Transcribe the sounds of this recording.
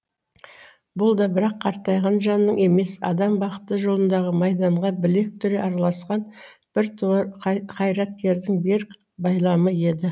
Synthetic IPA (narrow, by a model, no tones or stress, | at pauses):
bʊlˠd̪ɑbɪɾɑqʰːɑɾt̪ːɑjʁɑnʒɑnːəɴe̞me̞sɑ̰d̪ɑmbɑqə̥t̪ːəʒo̞lˠənd̪ɑʁəmɑjd̪ɑɴʁɑbɪle̞k̚t̪ʰʏɾe̞ʔɑɾɑlˠɑsqɑn | b̥ɪɾt̪ʰ | qʰɑjɾɑt̪̚kʲe̞ɾd̪ɪŋbeɾk | bɑjlˠɑməje̞d̪ɪ